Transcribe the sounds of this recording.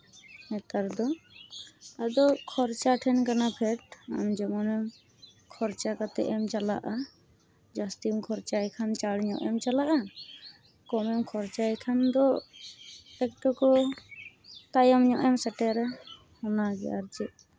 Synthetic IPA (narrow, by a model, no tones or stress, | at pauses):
nɛt̪aɾd̪ɔ | ad̪ɔkʰɔɾt͡ʃaʈʰɛnkanapʰɛʈa̰md͡ʒɔmɔnɛm | kʰɔɾt͡ʃakat̪ɛ̰ʔɛmt͡ʃala̰ʔa | d͡ʒast̪imkʰɔɾt͡ʃajkʰant͡ʃaɽɲɔ̰ʔɛmt͡ʃalaʔa | kɔmɛmkʰɔɾt͡ʃajkʰand̪ɔ | ɛk̚ʈɔkɔ | t̪ajamɲɔʔɛmsɛʈɛɾɛ | hɔnaɡɛ̰aɾt͡ʃɛʔ̚